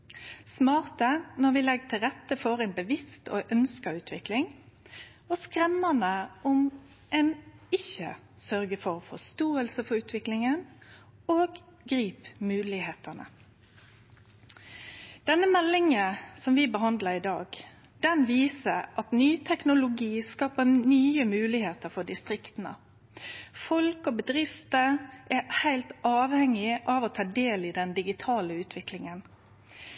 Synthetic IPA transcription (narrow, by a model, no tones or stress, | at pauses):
smɑːʁt̪ənɔʋɪlɛɡt̪ʰɪlʁɛt̪ːəfɔɾɛːnbəʋɪst̪ʰo̰ːʔœnskɑʉːt̪ʰʋɪklɪŋ | ɔskʁɛmːənəɔm | ʔɛːnɪçə̰ | sœʁɡəfɔʁfɔst̪oːəlsəfɔʉːt̪ʰʋɪklɪŋən | oːɡ | ɡʁiːpmʉːlɪheːt̪ənə̰ | d̪̥ɛnːəmɛlːɪŋəsɔmʋɪbəɦɑnd̪ləɾɪd̪ɑːɡ | d̪̥ɛnʋiːsəʔɑt̪nyːt̪ʰɛknʊlʊɡiːskɑːpənyːəmʉːlɪheːt̪əɾfɔɖɪst̪ɾɪkt̪nə̰ | fɔlkɔbəd̪ɾɪft̪əʔæhæɪlt̪ɑːʋhɛŋɪʔɑʋoːt̪ʰɑːɖeːlɪd̪ɛnd̪ɪɡɪt̪ʰɑːləʉːt̪ʰʋɪklɪŋən